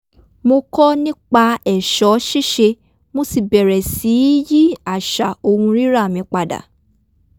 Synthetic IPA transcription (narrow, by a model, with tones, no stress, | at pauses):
mo˧kɔ˦nĩ˦k͡pa˧ɛ˦˨ʃɔ˨˦ʃi˦ʃe˧ | mõ˧˦si˨bɛ˨ɾɛ˨si˨˦ji˦a˦˨ʃa˨o˧hũ˧ɾi˦ɾa˦˨mĩ˧˦k͡pa˨da̰˨